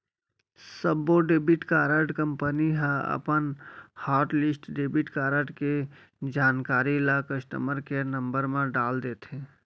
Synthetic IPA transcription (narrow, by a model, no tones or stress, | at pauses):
səbːoɖebiʈkaɾəɖkəmpəniɦãə̰pənhaɾʈlisʈɖebiʈkaɾəɖke | d͡ʒankaɾilakəsʈ̪ə̰məɾkenəmbəɾmẽɖald̪et̪ɦẽ